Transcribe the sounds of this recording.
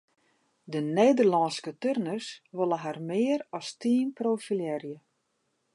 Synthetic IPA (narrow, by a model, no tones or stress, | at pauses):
dəneːdərlɔnskətørnərsʋolˠəɦarmɪːəɾɔstiːnproːfiljɛrjə